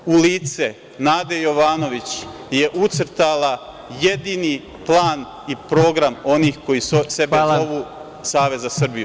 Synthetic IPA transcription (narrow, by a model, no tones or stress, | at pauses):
uliːt̪se | naːd̪ejoʋaːno̞ʋit͡ɕ | je̞ʔut̪sɾ̩t̪alˠa | je̞d̪iːni | plˠaːn | ipɾo̞ːɡɾamo̞niːxko̞jisosebeoʋu | saːʋe̞zasr̩biju